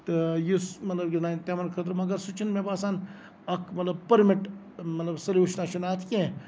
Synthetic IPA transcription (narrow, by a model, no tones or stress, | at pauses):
t̪ɨjusmɐt̪lɐbɡʲinat̪emɐnkʰɐt̪ɾmɐɡɐɾsut͡ʃʰinmebaːsaːn | ɐkʰmɐt̪lɐb̚pɐɾmiʈ | mɐt̪lɐbsɐlʲjuːʃnaːʃʰunaːt̪ʰkʲẽ